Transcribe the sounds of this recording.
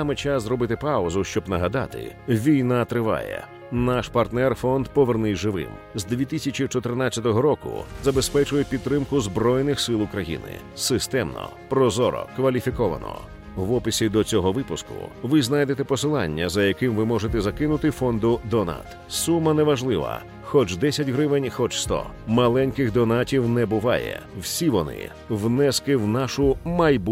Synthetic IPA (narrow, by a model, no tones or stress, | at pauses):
samɛt͡ʃaszɾɔbɪt̪ɪpaɔzʊʃt͡ʃɔbnɐɦɐd̪ɑ̰t̪ɪ̰ʋʲijnat̪ɾɪʋa̰jɛ̰ | naʃpɐrt̪nɛrfɔnd̪pɔʋernɪjʒɪʋɪ̰m | zd̪ʲʋʲit̪ɪsʲɐt͡ʃit͡ʃɔt̪ernat͡sʲːɐt̪ɔɦɔɾɔkʊ̰zɐbespɛt͡ʃʊjɛpʲid̪t̪ːɾɪmkʊzbɾɔjnɪxsɪlˠʊkɾɐjḭnɪ̰ | sɪst̪ɛmnɔ̰ | pɾɔzɔɾɔ̰kʋɐlʲifʲikɔʋɐ̰nɔ̰ | ʋɔpɪsʲid̪ɔt͡sʲɔɦɔʋɪpʊskʊ̰ʋɪznajd̪et̪ɛpɔsɪlˠɑ̰nʲːɐzɐjɐkɪmʋɪmɔʒet̪ɛzɐkɪnʊt̪ɪfɔnd̪ʊd̪ɔna̰t̪ | sumːɐnɛʋɐʒlˠɪʋɐ̰ | xɔt͡ʃd̪ɛsʲɐtʲɦɾɪʋɪnʲxɔt͡ʃst̪ɔ̰mɐlˠɛnʲkɪxd̪ɔnatʲiwnɛbʊʋɑ̰jɛ̰wsʲiʋɔnɪ̰ | wnɛskɪwnaʃʊmɐjb